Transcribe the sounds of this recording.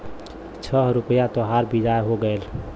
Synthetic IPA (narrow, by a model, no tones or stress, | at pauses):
t͡ʃʰəɾʊpəjat̪oɦaɾbid͡ʒaeɦoɡəel